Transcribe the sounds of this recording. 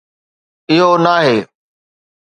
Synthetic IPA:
ɪɦonaːɦeː

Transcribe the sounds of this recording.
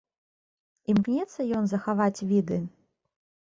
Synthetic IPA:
imknʲɛt̪sːɐjɔnzɐxavat͡sʲvʲid̪ɨ

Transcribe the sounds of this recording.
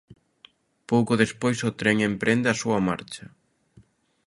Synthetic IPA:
powkʊðespojsʊt̪ɾɛŋempɾʔend̪eɐsuɐma̰ɾt͡ʃɐ

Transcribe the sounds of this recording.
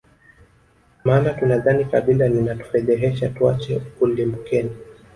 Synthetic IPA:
maːnatunaðanikaɓilaninatu̥fɛðɛɦɛʃatua̰t͡ʃɛulimukɛni

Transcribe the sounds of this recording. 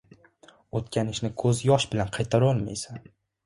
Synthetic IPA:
ot̪kʲʰanɪʃnɪkʰɵzjɒʃbɪlanqʰɑjt̪ʰaɾɒlˠma̰jsan

